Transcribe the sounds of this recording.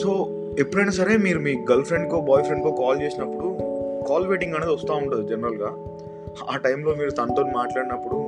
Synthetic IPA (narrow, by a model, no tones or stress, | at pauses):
so̞ː | epːuɽɐjnaːsɐɾe̞ːmiːɾumiːɡɐlpʰɾe̞ɳɖ̚k̪oːbɔːjfɾe̞ɳɖk̪oːkaːlt͡ʃeːsinɐpːuɽukaːlʋeːʈiŋɡɐned̪iʋɐst̪aːuɳʈud̪id͡ʒɛnɐɾɐlɡaː | aːʈɐjmlo̞ːmiːɾut̪ɐnt̪oːnimaːʈlaːɽinɐpːuɽu